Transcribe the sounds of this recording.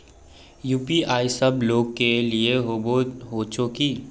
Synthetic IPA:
juːpiaːisɐbloːɡkelieɦoɦot͡ʃʊkiː

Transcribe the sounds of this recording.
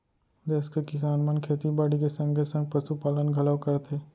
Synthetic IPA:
d̪eːskekɪsaːnmənkʰeːt̪ibaːɽikesɐ̃ŋɡesɐ̃ŋɡ̚pəsupaːlənɡʱɐləwkɐɾt̪ʰeː

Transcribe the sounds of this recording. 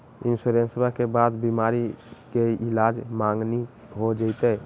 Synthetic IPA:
insuɾensbakebad̪bimaɾikeilad͡ʒmãŋɡni | ɦod͡ʒəɪt̪ɛ

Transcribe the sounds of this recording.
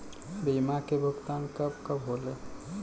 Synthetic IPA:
biːmakebʱʊɡt̪aːnkəbkəbɦoːleː

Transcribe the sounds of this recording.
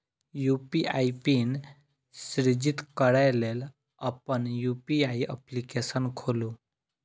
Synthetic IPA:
jupiaipin | sɾid͡ʑit̪kəɽajlel | apəɳjupiaiə̰plikesənkʰolu

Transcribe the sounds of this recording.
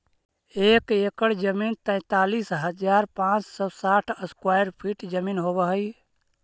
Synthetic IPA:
ekekəɽd͡ʒəmint̪ə̃ɪ̃t̪alisɦəd͡ʒaɾpãt͡ʃsɔsaʈʰəskwajɾpʰiʈd͡ʒəminɦobəɦəj

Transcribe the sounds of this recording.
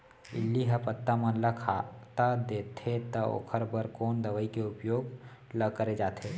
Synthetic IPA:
ɪ̰lːiɦɐpət̪ːamə̃nləkʰat̪ad̪eːt̪ʰet̪ɐo̰ːkʰəɾbəɾkoːnd̪ɐʋəikeʊpjoːɡ | ləkəɾed͡ʒaːt̪ʰeː

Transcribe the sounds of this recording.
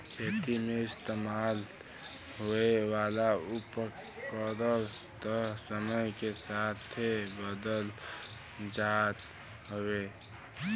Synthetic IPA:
pʰeːt̪imeɪst̪eːmaːl | ɦoewaːlaupə | kəɾəlst̪əɦsəməjkesaːt̪ʰebəd̪əl | d͡ʒat̪ | ɦowe

